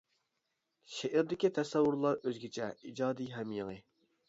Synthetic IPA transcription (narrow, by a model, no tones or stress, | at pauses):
ʃeʔɪɾd̪ɪkʲit̪ʰɛsɛwːʊɾlˠɑɾøzɡʲet͡ʃʰɛid͡ʒɑːd̪ijɦɛmjeŋɨ